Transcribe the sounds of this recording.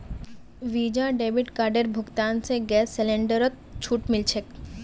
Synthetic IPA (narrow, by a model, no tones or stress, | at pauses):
ʋiːd͡ʒaɖeːʋɪʈkaːɾɖeɾbʱʊɡt̪aːnseɡɛːsːɛlẽɳɖəɾət̪̚ | t͡ʃʰuʈmɪlt͡ʃʰek